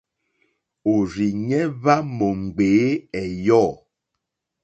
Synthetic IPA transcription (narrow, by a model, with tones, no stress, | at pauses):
o˨ɾi˨ɲɛ˦βa˦mo˨ŋ͡m̩˨ɡ͡beː˨˦ɛ˨jɔ˦˨